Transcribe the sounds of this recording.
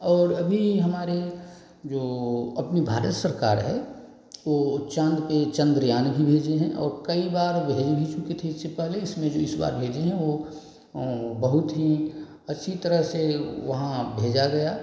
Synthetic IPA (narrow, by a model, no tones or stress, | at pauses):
ɔːɾɐbʱiɦɐmaːɾe | d͡ʒoːɐpnibʱaːɾət̪səɾka̰ːɾɦɛ | ʋoːt͡ʃãːnd̪ket͡ʃɐ̃nd̪ɾjaːnbʱibʱeːd͡ʒeɦɛ̃ʔɔ̰ːɾkɐibaːɾbʱeːd͡ʒbʱit͡ʃʊket̪ʰeɪssepɛɦleɪsmẽd͡ʒoːɪsba̰ːɾbʱeːd͡ʒeɦɛ̃ʋo | bɐɦʊt̪ɦĩ | ɐtːʃʰit̪əɾəɦseʋɐɦãbʱeːd͡ʒaɡɐja